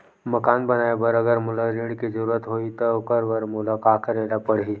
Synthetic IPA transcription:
mɐkaːnbɐnaːebəɾəɡəɾmʊləɾiɽkizəɾuːɾət̪ɦoːit̪okəɾʋəɾmʊləkaːkʰəɾeːɽapəɽ̤ɦiː

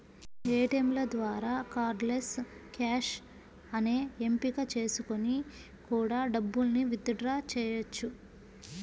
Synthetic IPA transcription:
eːʈemlɐd̪ʋaːɾaːkaːɾleskaːʃ | ɐneːempikat͡ʃe̞ːsuko̞ni | kuːɽaːɖɐbːulɐniʋid̪ɐɖɾaːt͡ʃɛːjɐt͡ʃːu

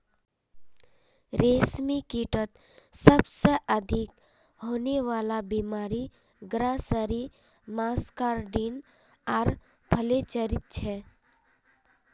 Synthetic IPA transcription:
ɾeːsmikiʈət̪ | səbseʔəd̪ʱɪk | ɦoːneʋaːlabimaːɾi | ɡɾasəɾi | maːskaːɾɖiːn | aːɾ | bʱəlet͡ʃəɾɪt̪̚t͡ʃʰɛ

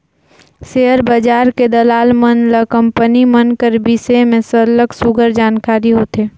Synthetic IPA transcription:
seɦəɾbəd͡ʒaːɾked̪əlaːlmənləkə̃mpənimənkəɾbisemẽsələksʊɡəɾd͡ʒaːnkaːɾiɦoːt̪eː

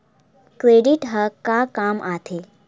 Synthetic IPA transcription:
kɾeɖiʈɦəkakamʔat̪ʰe

